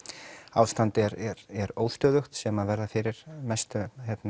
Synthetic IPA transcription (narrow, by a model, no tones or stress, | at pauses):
aːwst̪ant̪ɪɾɾɛɾoːwðst̪œːðʏxt̪sɛmaðvɛɾðafɪɾɪɾ̥mɛst̪ʏçɛt̪na